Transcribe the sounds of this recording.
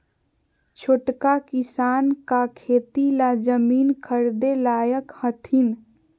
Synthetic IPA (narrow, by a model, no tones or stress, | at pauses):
t͡ʃʰoːʈkakɪsaːnkakʰeːt̪ilad͡ʒəmiːnkʰəɾd̪elaːjəkhət̪ʰin